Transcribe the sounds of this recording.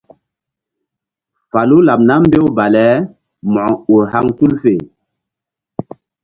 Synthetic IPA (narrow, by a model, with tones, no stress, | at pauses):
fa˨lu˦la˨p̚na˦m˦be˦wba˨lɛ˨˦ | mɔ˨o˨ha˦ŋtu˦lfe˨